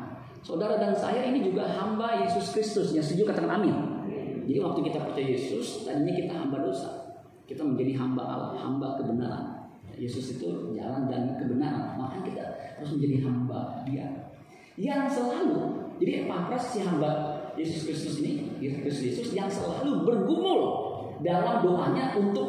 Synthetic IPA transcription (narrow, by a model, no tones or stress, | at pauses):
sodaɾadansa̰ɦiɾinid͡ʒuɡaɦambajesʊskɾist̪ʊsjaŋst̪ud͡ʒʊkat̪aŋanami | d͡ʒadiwak̚t̪ukit̪apərt͡ʃajajesʊst̪adiɲakit̪aɦa̰mbadosa̰ | kit̪aməɲd͡ʒadiɦamba̰ʔa̰la̰ha̰mbakəbəna̰ɾa̰n | ja̰jesʊsit̪ud͡ʒa̰landanakəbənaɾa̰nmakankit̪a̰t̪əɾʊs̬məɲd͡ʒadiɦamba̰dia̰ | jaŋsəlalud͡ʒadiʔpapɾassiɦambajesʊskɾɪst̪ʊsinikɾis̬t̪ʊsjesʊsjaŋsəlalubərɡumʊl | dalamdoʔaɲaʔunt̪ʊk̚